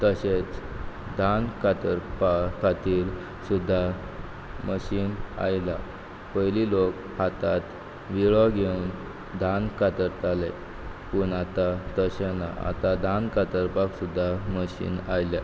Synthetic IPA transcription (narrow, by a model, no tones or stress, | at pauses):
t̪əɕet͡sd̪ʱankat̪əɾpakʰat̪iːɾ | sud̪ʱːa | məɕiːna̰jla̰ | pəjlilok | hat̪at̪ | ʋiɭɔɡʱeun | d̪ʱankat̪əɾt̪ale | puɳat̪at̪əɕana̰a̰t̪ad̪ʱankat̪əɾpaksud̪ʱːaməɕḭːna̰jlja̰